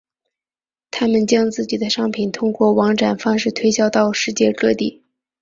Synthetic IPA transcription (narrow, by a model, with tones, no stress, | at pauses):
t̪ʰa˥mə˨nt͡ɕjɑ˥ŋt͡sɹ̩˥˩t͡ɕi˨˩d̪ə˦ʂɑ˥ŋpʰi˨˩nt̪ʰʊ˥ŋkwɔ˥˩wɑ˧˥ŋʈ͡ʂa˨˩nfɑ˥ŋʂɻ̩˥˩t̪ʰwe˥ɪɕjɑ˥ʊt̪ɑ˥˧ʊʂɻ̩˥˧t͡ɕjɛ˥˧kɤ˥˧t̪i˥˩